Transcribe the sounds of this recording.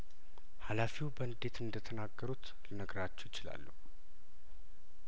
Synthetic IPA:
halafiwbənd̪e̞t̪ʰɨnd̪ət̪ʰənaɡːəɾut̪ | lənəɡɾat͡ʃːɛwjɪt͡ʃɪla̰lːəhu

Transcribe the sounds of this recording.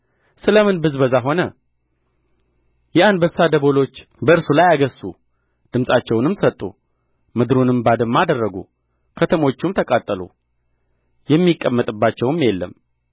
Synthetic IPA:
sɨləmɨnbɨzbəzaɦo̞nə | jɛand̪bəsːad̪əβo̞lo̞t͡ʃː | bəɨɾsulajaɡəsːu | d̪̥ɨmsʼat͡ʃːɛwnɨmsət̪ʼːṵ | mɨd̪ɾunɨmbad̪ɨmːad̪ərːəɡṵ | kʰət̪ʰəmo̞t͡ʃːumt̪ʰəkʼat̪ʼːəlṵ | jɛmːikʼːəmːət̪ʼɨbːat͡ʃːɛwɨmjelːəm

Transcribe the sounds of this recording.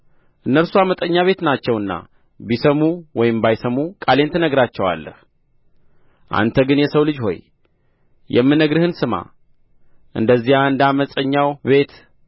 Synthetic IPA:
ʔɨnːəlsuamət̪ʼəɲːaβe̞t̪nat͡ʃːɛwɨnːa̰ | bisəmuwɔjɪmbajsəmukʼale̞nt̪ʰɨnəɡɾat͡ʃːɛwa̰lːə̰h | ʔa̰nt̪ʰəɡɨnjɛsəwlɨd͡ʒho̞̰j | jɛ̰mːɨnːəɡɾɨhɨnsɨma̰ | ʔɨ̰nd̪əzːihaɨnd̪əaməsʼəɲːawbe̞t̪

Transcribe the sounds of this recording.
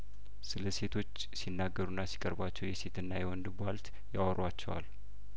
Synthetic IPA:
sɨləse̞t̪ʰo̞t͡ʃːsinːaɡːəɾunːasi̥kʼəɾbat͡ʃːɛwjɛse̞t̪ɨnːajɛwɔnd̪ɨbalt̪ | jawɾwat͡ʃːɛwa̰l

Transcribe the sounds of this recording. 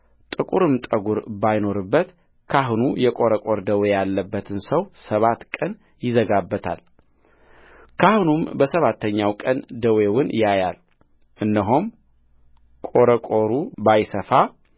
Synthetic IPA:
t̪ʼɨkʼuɾɨmt̪ʼəɡuɾbajno̞ɾɨbːət̪ | kʰaɦunujɛkʼo̞ɾəkʼo̞ɾd̪əwejalːəbːət̪ʰɨnsəwsəβat̪kʼən | jɪzəɡabːət̪ʰa̰l | kʰahunumbəsəβat̪ʰːəɲːawkʼənd̪əwe̞wʊnjajal | ʔɨnːəɦom | kʼo̞ɾəkʼo̞ɾubajsəfa

